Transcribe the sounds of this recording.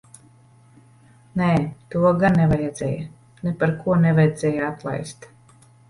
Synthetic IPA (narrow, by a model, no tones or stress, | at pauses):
nɛːt̪uɔɡannːɛvajɛd̪z̥ɛ̰ja | nepaɾkʰuɔnɛvajɛd̪z̥ʲɛjaat̪lˠa̰jst̪